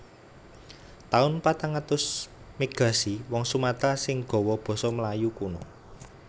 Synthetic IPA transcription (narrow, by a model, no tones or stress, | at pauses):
t̪aʊnpat̪aŋat̪ʊs | miɡ̥ä̤siwɔŋsumat̪asɪŋɡ̥ɔ̤wɔb̥ɔ̤sɔməlajukunɔ̰